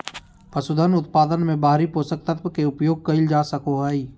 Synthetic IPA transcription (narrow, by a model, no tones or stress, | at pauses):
pɐsʊd̪ʱənʊt̪paːd̪ənmẽbaːɦɾipoːsək̚t̪ət̪wəkeʊpjoːɡ̚kɐɪld͡ʒaːsɐkoɦai